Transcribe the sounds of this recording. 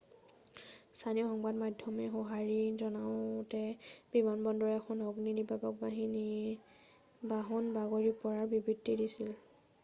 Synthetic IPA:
stʰaniɔxɔŋbadmajdʱːɔmɛɦɔɦaɹizɔnaʊtɛb̥imanbɔndɔɹɛɛxʰɔnɔɡninibabɔk̚baɦini | baɦɔnbaɡɔɹipɔɹaɹbibɹitːidisil

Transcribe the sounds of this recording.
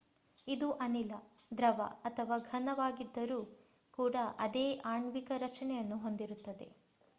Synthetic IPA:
id̪uʔɐnilɐd̪ɾɐʋɐ̰ɐt̪ʰɐʋaːɡʱɐnɐʋaːɡid̪ːɐɾuː | kuːɽɐʔɐd̪eːʔaːɳʋikɐɾɐt͡ʃɐnɛjɐnːuɦo̞nd̪iɾut̪ːɐd̪e̞̰

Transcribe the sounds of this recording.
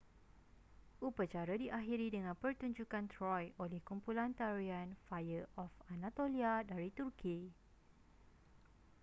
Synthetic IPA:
upət͡ʃaɾadiʔaɦiɾidəŋãnpərt̪uɲd͡ʒukant̪ɾɔjolɛhkumpulant̪aɾianfajəʔɔfanãt̪oliadaɾit̪urkʰi

